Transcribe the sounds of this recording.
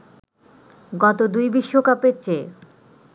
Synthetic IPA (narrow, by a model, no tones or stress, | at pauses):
ɡɔt̪od̪ujbiʃːokapeɾt͡ɕʰe